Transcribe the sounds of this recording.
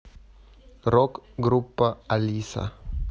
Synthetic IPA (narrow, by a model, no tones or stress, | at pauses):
rɔkɡɾupːaalisa̰